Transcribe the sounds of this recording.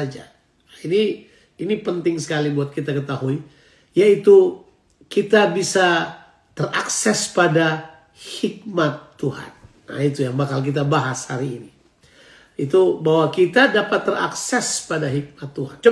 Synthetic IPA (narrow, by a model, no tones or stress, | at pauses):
ad͡ʒa̰ | ini | inipənt̪ɪŋsə̥kalibuat̪̚kit̪akət̪aɦui | jait̪u | kit̪abisa | t̪əraksɛspada | hik̚mat̪ːuha̰nː | a̰it̪ujambakalk̬it̪̬abaɦasha̰ɾiːni | it̪ubawakit̪adapat̪ːəra̰ksɛspadaɦik̚mat̪ːuɦant͡ʃ